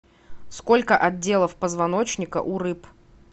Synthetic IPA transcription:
sko̞lʲkəʔɐd̚ʲe̞lˠəfpəzvɐno̞t͡ɕnʲɪkə̰ʔʊɾɨp

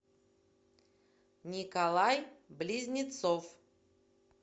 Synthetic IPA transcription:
nʲikalˠajblʲizʲnʲɪt̪sof

